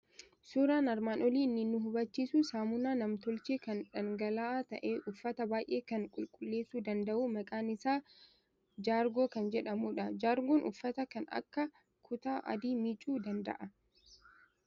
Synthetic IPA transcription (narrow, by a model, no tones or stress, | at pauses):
suːɾaːnɐɾmaːnʔɔliːnːɪnːʊɦʊbɐt͡ʃːiːsusaːmʊnaːnɐmt̪ɔlt͡ʃeːkɐnᶑɐŋɡɐlaːt̪ɐ̰ʔe̞ːʔʊfːɐt̪ɐbaːjʔe̞ːkɐŋkʼʊlkʼʊlːe̞ːsːuːd̪ɐnd̪ɐʔuːmɐkʼaːnɪsaː | d͡ʒaːɾɡo̞ːkɐnd͡ʒɛᶑɐmuːᶑɐd͡ʒaːɾɡoːnʔʊ̰fːɐt̪ɐkɐnɐ̰kːɐ | kʰʊt̪aːʔɐ̰d̪iːmɪt͡ʃʼuːd̪ɐnd̪ɐ̰ʔɐ